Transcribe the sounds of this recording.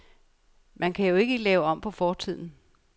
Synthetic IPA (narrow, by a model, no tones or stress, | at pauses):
mʔænkʰæjo̝e̝ɡ̥əlɛːʊɒ̽m̰pʰɒ̽fɒːt͡sʰið̞̰ˠn̩